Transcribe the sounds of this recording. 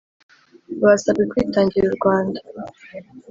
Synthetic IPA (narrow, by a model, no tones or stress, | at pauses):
wasabɡekwiːtaːɲɟiɾuɾɡwaːnda